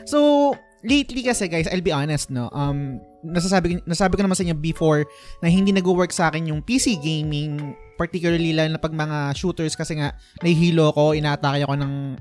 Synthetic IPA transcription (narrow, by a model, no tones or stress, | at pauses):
sow | lejt̪likɐsɛɡajsʔɐjlbiʔanɛst̪̚no̞̰ʔɐm | nɐɡs̬aːsaːbɪknssaːbɪkonmansɐɪɲːobɪfoɹ | nɐhɪnd̪iːnɐɡuwɛɹksɐʔaːkɛnjʊŋpisiɡejmɪŋpɐɹt̪ikjʊlɐɹlilɐnɐpɐɡ̚mɐŋaʃuːt̪ɛɹskɐsɛŋaʔnɐhiɦiːloɐko̞ʔɪnaːʔt̪aːkɪjɐko̞nɐŋ